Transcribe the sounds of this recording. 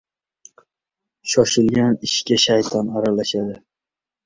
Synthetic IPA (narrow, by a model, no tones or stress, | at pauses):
ʃɒʃɪlɡʲanɪʃkʲaʃajt̪ʰɒnaɾalaʃad̪ɪ